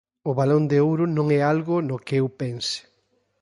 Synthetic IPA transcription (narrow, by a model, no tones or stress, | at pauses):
ʊβalond̪eowɾʊnõŋɛalɣʊnʊkɪewpɛnsɪ̥